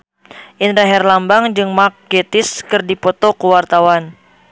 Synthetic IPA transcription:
ʔinɾaɦɛrlambaŋd͡ʒɨŋmak̚ɡɛt̪ɪskɨrdipɔt̪okəwart̪awan

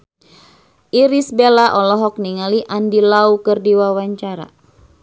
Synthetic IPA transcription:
ʔiɾisbelaʔɔlɔɦɔk̚niŋaliʔandilaukɨrdiwawaɲt͡ʃaɾa̰

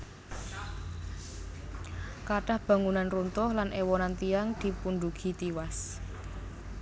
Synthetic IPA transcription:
kaɖ̥a̤hb̥ä̤ŋunanrunt̪ʊhlanʔewɔnant̪ijaŋd̪̥i̤punɖuɡ̥i̤t̪iwas

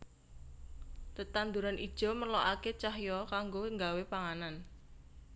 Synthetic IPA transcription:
t̪ət̪and̪uɾanʔid̥ʒ̥ɔ̤məloʔaket͡ʃaɦjɔkaŋɡoəŋɡawepaŋanan

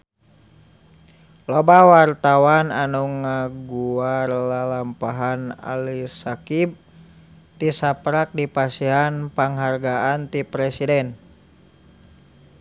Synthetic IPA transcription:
lɔbawart̪awananuŋaɡuarlalampaɦana̰lisakib̚ | t̪isapɾak̚dipasiɦanpaŋɦarɡaant̪ipɾɛsidɛn

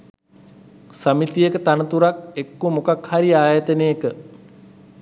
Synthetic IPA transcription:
səmit̪ijekət̪anət̪uɾak̚ekːumukakhaɾiaːjat̪ənejekə

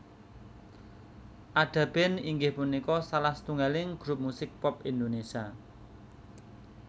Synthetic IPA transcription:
ʔaɖ̥a̤b̥ɛniŋɡɪhpunikɔsalahst̪uŋalɪŋɡ̥ɾup̚musɪk̚pɔp̚ind̪onesia

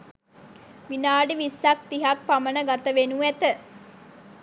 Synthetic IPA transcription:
ʋinaːɖiʋisːak̚t̪iɦak̚pamənəɡat̪əʋenuæt̪ə

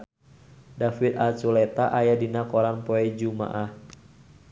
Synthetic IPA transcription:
dafit̪asulɛt̪aʔajadinakɔɾanpɔɛd͡ʒuma̰ʔah

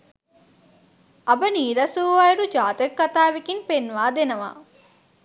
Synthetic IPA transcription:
ɐbɐniːɾɐsuʋajɐɾud͡ʒaːt̪ɐkːɐt̪aːʋikinpenʋaːd̪enɐʋa̰

